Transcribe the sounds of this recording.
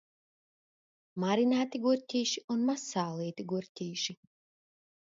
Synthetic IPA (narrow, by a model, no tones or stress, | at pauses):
maɾinaːt̪iɡuɾʲtʲiːʃiunmasaːlˠiːt̪iɡuɾʲtʲiːʃi